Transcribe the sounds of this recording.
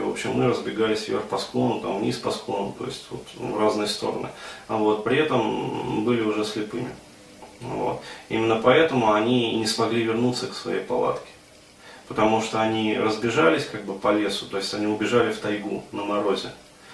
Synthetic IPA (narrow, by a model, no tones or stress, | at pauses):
vo̞̰pɕːɪ̰mːɨɾəzbʲɪɡalʲɪsʲvʲḛrxfpɐsklˠo̞nʊt̪amvnʲḭsʲpɐsklˠonʊt̪o̞̰ɪ̰sʲtʲvo̞̰t̪vraznɨjəst̪o̞̰ɾə̰nɨ̰vo̞t̪̚pɾʲɪɛt̪əmbɨlʲɪʊʐɛsʲlʲɪpɨmʲɪ | vo̞̰t̪ḭmʲɪnːəpɐɛt̪əmʊɐnʲinʲɪsmɐɡlʲivʲɪrnut̪səksvɐ̰jejpɐ̰lˠa̰t̪kʲɪ̥ | pə̥t̪ɐmuʂt̪oɐnʲiɾəzbʲɪʐalʲɪsʲkaɡ̚bɨpɐlʲesʊ̥t̪o̞jɪsʲtʲɐnʲiʊbʲɪʐalʲɪft̪ɐjɡunəmɐɾozʲɪ